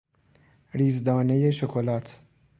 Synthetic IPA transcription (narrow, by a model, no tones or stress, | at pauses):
ɾiːzd̪ɒːne̞je̞ʃokʰolɒːt̪ʰ